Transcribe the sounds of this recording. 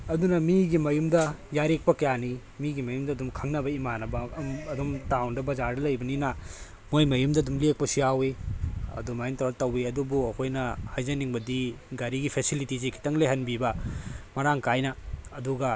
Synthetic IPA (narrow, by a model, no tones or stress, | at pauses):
ɐdunɐmiɡimɐjumdɐjaɾek̚pɐkɐjani | miɡimɐjumdɐːdumkʰɐŋnɐbɐimanɐbɐmɐdumtawndɐbɐzaɾdɐlɐjbɐninɐ | mojmɐjumdɐdumlek̚pɐsiaweɐ̰dumaintɐɾatɐwiɐdubuɐkʰojnɐhajzɐniŋbɐdiɡɐɾiɡipʰesilitizikʰi̥tɐŋleɦɐnbibɐmɐɾaŋkajnɐːduɡɐ